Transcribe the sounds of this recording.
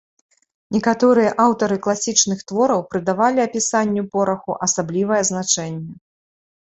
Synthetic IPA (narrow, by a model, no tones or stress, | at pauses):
nʲɛkat̪ɔɾɨjɐʔawt̪ɐɾɨklˠasʲit͡ʂnɨxt̪vɔɾɐwpɾɨd̪avalʲiɐpʲisanʲːupɔɾɐxuʔɐsablʲivɐjɛznat͡ʂɛnʲːɛ